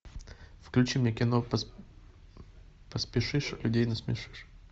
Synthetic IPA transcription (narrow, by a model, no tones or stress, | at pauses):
fklʲʉt͡ɕimnʲekʲɪnop | pəspʲɪʂɨʂlʲʊdʲejnosmʲɪʂɨ̥ʂ